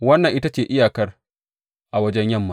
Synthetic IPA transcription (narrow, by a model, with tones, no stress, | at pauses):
wɐ˦nːɐ˨ŋʔɪ˦ta˦t͡ʃeː˨ʔɪ˦jaː˨kɐ˦r | ʔa˨wɐ˦d͡ʒɛ˦ɲjɐ˦˨mːa˨